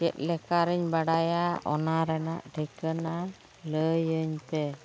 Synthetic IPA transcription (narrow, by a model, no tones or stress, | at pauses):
d͡ʒɛ̰t̪̚ˀlɛkaɾəɲbaɽajaʔɔnaɾɛna̰ʔɖɛkəna | ləjəɲt̪ɛ